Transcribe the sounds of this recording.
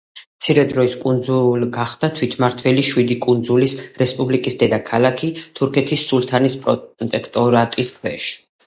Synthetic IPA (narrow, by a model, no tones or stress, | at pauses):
mt̪sʰiɾɛd̪ɾɔiskʼund̪zulɡaχd̪̥at̪ʰwit̪ʰmaɾt̪ʰvɛliʃwid̪ikʼund̪zulisɾɛspʼublikʼisd̪ɛd̪akʰalakʰit̪ʰuɾkʰɛt̪ʰisːulˠt̪ʰanispʼɾɔt̪ʼɛkʰt̪ʼɔɾat̪ʼiskʰwɛʃ